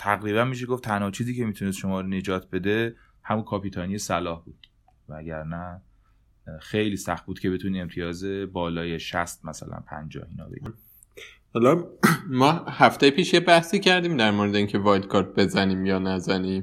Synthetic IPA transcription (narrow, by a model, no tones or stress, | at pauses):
t̪ʰæɣɾiːβænmiʃ̬eɡo̞ft̪ʰænhɒːt͡ʃʰiːziːcʰemiːt̪ʰunest̪ʃo̞mɒːɾne̞d͡ʒɒːt̪ʰbe̞d̪e̞ | hæmunkʰɒːpiːt̪ʰɒːnijesælɒːhbuːd̪̥ | vææɟæɾnæ | xejliːsæxt̪̚buːd̪̥cʰe̞be̞t̪ʰuniːemt̪ʰijɒːze̞bɒːlɒːjeʃæ̰st̪̚mæsæ̰læ̰npʰæ̰nd͡ʒɒ̰ːhiːnɒ̰ːbḛɟi | hɒlɒmɒːhæft̪ejepʰiːʃjebæhsiːcʰæɾd̪iːmd̪æɾmoːɾed̪eiːŋcʰe̞vɒːjlkʰɒɾt̪̚be̞zæniːmjɒːnæzæniːm